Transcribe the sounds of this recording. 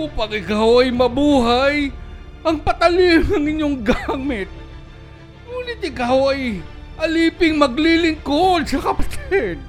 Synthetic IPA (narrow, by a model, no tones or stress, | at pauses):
uːpɐŋʔɪkawɐjmɐbuːɦajʔɐŋpɐt̪ɐlinɐŋɪɲːoŋɡamɪt̪̚ | muːlɪt̪̚ɪkawɐjʔɐliːpɪŋmɐɡlilɪŋkod̪̚sɐkɐpɐt̪ʰɛd̪̚